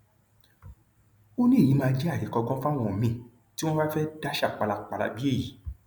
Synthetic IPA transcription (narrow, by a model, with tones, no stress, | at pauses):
o˦nĩ˦e˦˨jĩ˨˦mãː˧d͡ʒɛ˦a˦˨ji˨˦kɔ˧ɡɔ̃˦fã˦˨w̃ɔ̃˧˨mĩ˨˧˨ | ti˦w̃ɔ̃˦ba˦fɛ˦da˦ʃa˦˨k͡pa˧la˧k͡pa˧la̰˧bi˦e˦˨ji˨˦